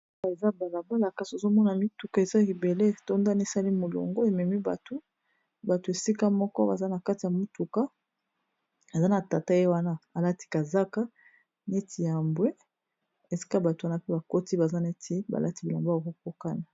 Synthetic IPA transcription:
a˨za˦ba˨la˨ba˦la˨ka˨so˨zo˦mɔ˦na˨mi˦tu˨ka˦˨e˨za˦ki˨be˨le˦to˦nda˦n˦e˦˨sa˦li˦mo˨lo̰˨ŋɡo˦e˨mɛ˨mi˦ba̰˨to˦ | ba˨to˨e˨si˦ka˦mɔ˦kɔ˦ba̰˨za˦na˨ka˦ti˨ja˨mu˦tu˨ka˦ | a˨za˦na˨ta˨ta˦e˦wa˦na˦a˨la˦ti̥˦ka˨za˦ka˦ | ne˦tʰi˨ja˨mbwe˦ | e˨si̥˦ka˦ba˨to˨wa˦na˦pɛ˦ba˨ko˦ti˦ba˨za˦ne˦tʰi˦ba̰˨la˦ti˦bi˨la˨mba˨ko˦ko˦ka˦na˨

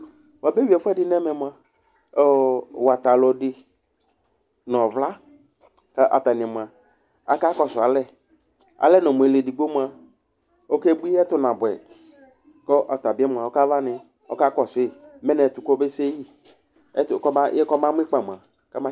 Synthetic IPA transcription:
wa˨be˦wi˨˦ɛ˨fɛ˦dɪ˨˦nɛ̃˦mɛ˨mʊ̃˨a˨ | wa˨t̪a˨lɔ˨dɪ˦ | nɔ̃˨vla˦ | ka˦ʔa̰˨ta˨nɪ̃˨mʊ̃˨a˨ | a̰˨ka˦kɔ˨sʊ˨a˨lɛ˦ | a̰˨lɛ˦nɔ̃˨mũ˨e˨le˨di˨ɡ͡bo˦mu˨a˨ | o˦kɛ˦bu˦i˦ɛ˦tʊ˦nã˨bɛ̰˨ | kɔ˦ʔa˨ta˨bɪ˦ɛ˦mʊ̃˨a˨ɔ˦ka˦va˦nɪ̃˨ | ɔ̰˦ka˦kɔ˨sɪ˦˨mɛ˦nɛ̃˨tʊ˨kɔ˦be˦se˦ji˦ | ɛ˦tkɔ˦jɛ˦kɔ˦mã˦m˦ɪ˦k͡pa˨m˨a˨ | ka˦mã˦

